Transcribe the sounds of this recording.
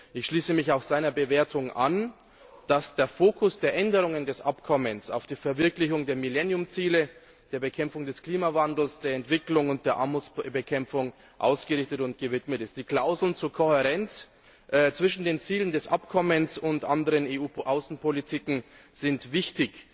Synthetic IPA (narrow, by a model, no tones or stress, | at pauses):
ʔɪçʃliːsəmɪçaʊxz̥aɪnɐbəveːɐtʰʊŋʔan | d̥asd̥eːɐfoːkʰʊsd̥eːɐʔɛndəʁ̞ʊŋəndɛsʔapkʰɔmənsa̰ʊfd̥iːfɛɐvɪɐklɪçʊŋdeːɐmilɛnjʊmt͡siːlə | d̥eːɐbəkʰɛmʊŋdɛskl̥iːmavandl̩sd̥eːɐɛntv̥ɪklʊŋʊnt̚d̥eːɐʔaɐmut͡sbəkʰɛmfʊŋ | ʔa̰ʊsɡ̥əʁɪçtətʊntɡ̥əvɪtmətɪstd̥iːkl̥aʊzl̩nt͡suːɐkʰohəʁɛnt͡s | ʔt͡sv̥ɪʃn̩deːnt͡siːləndɛsʔapkʰɔmənsʊntʔandəʁəneːuːʔaʊsn̩pʰolitʰiːkŋ̩z̥ɪntv̥ɪçtɪç